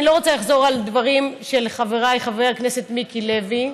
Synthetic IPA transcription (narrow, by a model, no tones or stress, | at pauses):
ilo̞ot͡salaχzo̞ʁald̪vaʁimʃe̞lχaveʁajχaveʁakne̞se̞t̪mikile̞vi